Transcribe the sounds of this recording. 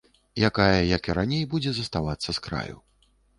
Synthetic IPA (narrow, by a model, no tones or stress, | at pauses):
jakajɐjɐkiɾanʲejbud͡zʲɛzɐst̪avat̪sːɐskɾa̰jṵ